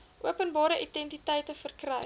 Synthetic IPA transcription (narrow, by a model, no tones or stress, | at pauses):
ʔuəpənbɑːɾəʔidɛntitɛjtəfərkrɛj